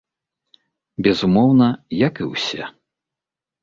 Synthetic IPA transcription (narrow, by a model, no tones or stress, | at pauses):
bʲɛzumɔwnɐjɐkɨwsʲɛ̰